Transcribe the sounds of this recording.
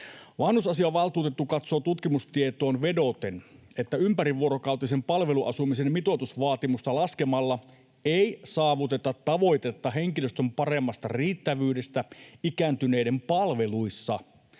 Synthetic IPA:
ʋɑːnusɑsiɑʋɑlt̪uːt̪e̞t̪ːukɑt̪soːt̪ut̪kimust̪iet̪o̞ːnʋe̞do̞t̪en | e̞t̪ːæympæɾiʋːuoɾokɑuwt̪isempɑlʋe̞luʔɑ̰sumise̞mmit̪o̞t̪usʋɑːt̪imust̪ɑlɑske̞mɑlːɑ | ejsɑːʋut̪e̞t̪ɑt̪ːɑʋo̞jt̪e̞t̪ːɑɦe̞ŋkiløst̪ømpɑre̞mːɑst̪ɑriːt̪ːæʋyːde̞st̪æikæːnt̪yne̞ide̞mpɑlʋe̞luisːɑ

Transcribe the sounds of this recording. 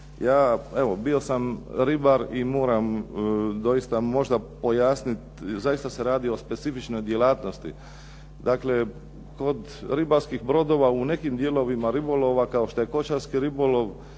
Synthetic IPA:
jaːe̞ʋo̞bio̞samɾibaɾimo̞ːɾam | d̪o̞jist̪amo̞ʒd̪apo̞jaːsnit̪zajist̪ase̞ɾaːd̪io̞spe̞t̪sifit͡ʃno̞jd̪je̞laːt̪no̞st̪ḭ | d̪akle̞ | ko̞d̪ | ɾibaɾskixbɾo̞d̪o̞ːʋaune̞kimd̪jeːlo̞ʋimaɾibolo̞ʋakao̞ʃt̪oje̞ko̞t͡ʃaɾskiɾiboloʋ

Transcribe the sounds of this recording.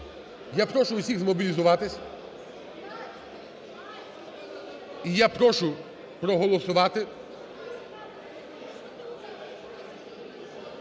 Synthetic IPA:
japɾɔʃʊʊsʲiɣzmɔbʲilʲizʊʋɑt̪ɪsʲ | ijapɾɔʃʊ | pɾɔɦɔlˠɔsʊʋɑt̪ɪ

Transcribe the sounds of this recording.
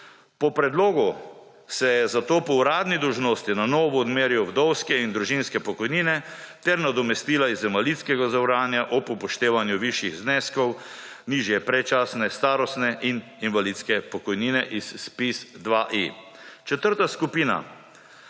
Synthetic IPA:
pɔpɾɛd̪loːɡu | sɛjɛzat̪oːpɔɾaːd̪nid̪ɔwʒnoːst̪inanɔːʋɔːd̪meːɾjɔwd̪ɔwskɛind̪ɾuʒinskɛpɔkɔjniːnɛ | t̪ɛɾnad̪ɔmɛst̪iːlaizːɛmalit̪skɛɡazawɾaːnjaʔɔpupɔʃt̪eːʋanjuʋiʃjiɣznɛskɔw | niːʒjɛpɾɛt͡ʃaːsnɛst̪aːɾɔst̪nɛʔin | inʋalit̪skɛpɔkɔjniːnɛʔispisd̪ʋaʔi | t͡ʃɛt̪əɾt̪askupiːna̰

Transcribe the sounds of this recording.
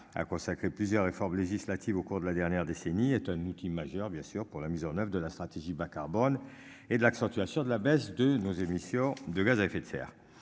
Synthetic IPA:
a̰kɔ̃sakχeplyzjœʁːefɔʁmleʒislat̪ivokuʁd̪əlad̪ɛʁnjɛʁd̪eseniɛt̪ɛ̃nut̪ʰimaʒœʁbjɛ̃syʁpuʁlamizɑ̃nœvʁəd̪əlast̪χat̪eʒibakaʁbɔn | ed̪əlaksɑ̃t̪yasjɔ̃d̪əlabɛsd̪ənozemisjɔ̃d̪əɡazaefet̪sɛ̰ːʁ

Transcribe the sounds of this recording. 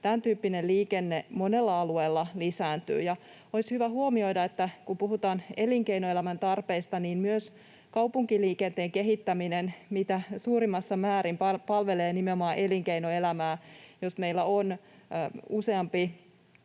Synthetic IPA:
t̪ænt̪yːpːineliːkenːemonelːɑɑlueːlːɑlisæːnt̪y̰ːjɑ | oishyʋæhuomio̞jdɑet̪ːækupuɦut̪ɑːneliŋkeinoe̞læmænt̪ɑrpeist̪ɑniːnmyøs | kɑupuŋkiliːkent̪eːŋkeɦit̪ːæminenmit̪æsuːɾimːɑsːɑmæːɾimppɑlʋe̞leːnimeomɑːʔe̞liŋkeinoe̞læmæːjosme̞ilːæon | use̞ɑmpi

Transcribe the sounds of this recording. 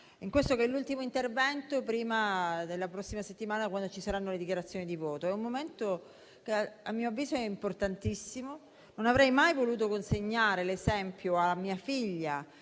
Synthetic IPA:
iŋkwest̪okelːult̪imoint̪ervɛnt̪opɾiːmad̪elːapɾɔsːimaset̪ːimaːnakwand̪ot͡ʃisaɾanːoled̪ikjaɾat̪sːjoːnid̪ivɔːt̪oɛummːoment̪o | keamːiːoavːiːzoɛimport̪ant̪isːimo | nonavɾɛjmajvoluːt̪̬okonseɲːaːɾelezɛmpjoamiːafiʎːa

